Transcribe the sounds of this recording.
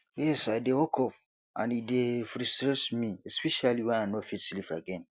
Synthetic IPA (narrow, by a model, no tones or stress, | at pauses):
jɛsaidewɔkʰɔf | ã̰nidefɾisɾɛsmĩɛspɛʃaliwɛ̃nanɔfitslifa̰ɡɛ̃n